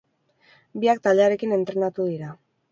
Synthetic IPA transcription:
biak̚t̪ald̪e̞aɾe̞kine̞nt̪ɾe̞nat̪uðiɾa

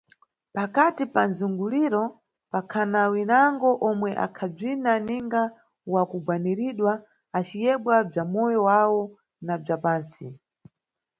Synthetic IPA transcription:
pakatipanzuŋɡuliɾɔ | pakʰanawinaŋɡɔʔɔmwɛʔa̰kʰab͡ʐinaniŋɡa | wakuɡwaniɾiɗwa | at͡ʃijɛɓwab͡ʐamɔjɔwawɔ | nab͡ʐapaːnsi

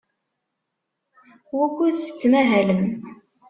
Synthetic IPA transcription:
wækʷːusə̥t͡sːmæɦæləm

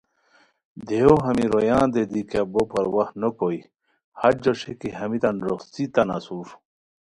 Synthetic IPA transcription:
d̪eoɦɐmiɾojãːnd̪ed̪ikabopɐɾwɐhnokoi | hɐɾd͡ʑoɕekiɦɐmit̪ɐnɾoxt͡sit̪ɐna̰suɾ

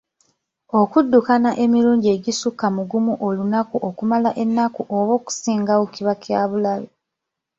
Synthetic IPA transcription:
okudːukanaʔe̞miɾuːɲɟie̞ɟisukːamuɡumuʔolunakuʔokumalaʔe̞nːakuʔoβo̞ːku̥siːŋɡawociβakjaːβulaβe

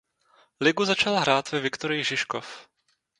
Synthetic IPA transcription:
lɪɡuzat͡ʃalɦɾaːt̪vɛvɪkt̪oɾɪjɪʒɪʃkof

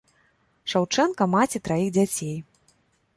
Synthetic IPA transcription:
ʂawt͡ʂɛnkɐmat͡sʲit̪ɾajiɣd͡zʲat͡sʲej

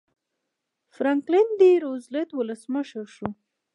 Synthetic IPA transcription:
fɾaŋklɪnd̪iɾozlet̪wʊləsməʃəɾʃu

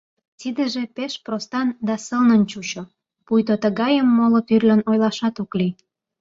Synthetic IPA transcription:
t̪id̪ə̆ʒepeʃprost̪ɑnd̪ɑsəlnənt͡ɕut͡ɕo | pujt̪ot̪əɣɑjəmːolot̪yrlʲənojlɑʃɑt̪okli

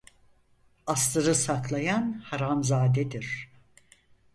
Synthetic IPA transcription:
ast̪ɯɾɯsaklˠajanhaɾamzaːd̪ɛd̪iɾ̥

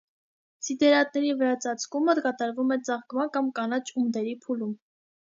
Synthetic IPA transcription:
t͡sid̪ɛɾɑt̪̚nɛɾivəɾɑt͡sʰɑt͡sʰkuməkɑt̪ɑɾvumɛt͡sɑʁɡmɑnkɑmkɑnɑt͡ʃʰumd̪ɛɾipʰulum

